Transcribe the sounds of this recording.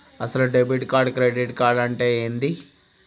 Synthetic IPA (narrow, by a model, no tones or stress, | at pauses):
ɐsɐluɖebiʈkaːɾɖkɾeɖiʈkaːɾɖɐɳʈeːeːnd̪i